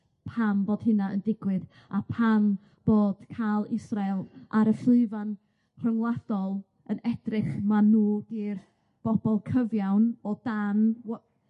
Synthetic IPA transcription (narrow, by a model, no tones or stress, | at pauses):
pʰamboːd̥ɦɨnaəndɪɡwɨð | apʰam | b̥oːd̥kʰaːlˠɪsralˠʔaɾəflɨɨvan | r̥əŋlˠad̥ɔlˠ | ənɛdrɪχmanuːdiːr | b̥ɔb̥ɔlˠkʰəvjawnɔdanw